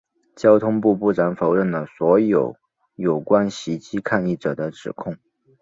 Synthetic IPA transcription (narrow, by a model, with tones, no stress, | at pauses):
t͡ɕjɑ˥ʊt̪ʰʊ˥ŋpu˥˧pu˥˩ʈ͡ʂa˧˥nfo˧˥ʊɻə˥˩nd̪ə˩swɔ˧˥jo˨˩ʊ | jo˨˩ʊkwa˥nɕi˧˥t͡ɕi˥kʰa˥˧ni˥˩ʈ͡ʂɤ˨˩d̪ə˦ʈ͡ʂɻ̩˨˩kʰʊ˥˩ŋ